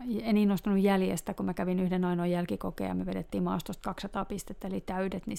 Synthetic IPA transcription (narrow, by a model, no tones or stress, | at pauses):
eniːnost̪ɑnujjæljḛst̪ækumækæʋinyhdenɑinojælkikokḛːjɑ̰myøʋeɾet̪ːiːmmɑ̰ːst̪ost̪kɑksɑt̪ɑːpist̪et̪ːelit̪æydet̪ni